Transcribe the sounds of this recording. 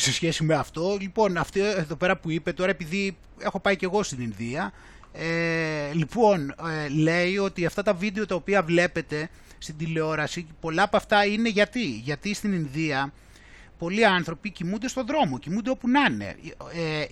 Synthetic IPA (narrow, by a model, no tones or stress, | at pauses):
se̞sçe̞simeɐft̪o̞lipo̞nɐft̪ieðo̞pe̞ɾɐpuipe̞t̪o̞ɾɐepiði | e̞xo̞pɐice̞ɣo̞st̪ininðiɐ | elipo̞nle̞io̞t̪iɐft̪ɐt̪ɐvid̪e̞o̞t̪ɐopiɐvle̞pe̞t̪e̞ | st̪id̪ileo̞ɾɐsipo̞lɐːpɐft̪ɐine̞ʝɐt̪iʝɐt̪ist̪ininðiɐ | po̞liɐnθɾo̞picimund̪e̞st̪o̞ðɾo̞mo̞cimund̪eo̞punɐne̞̰e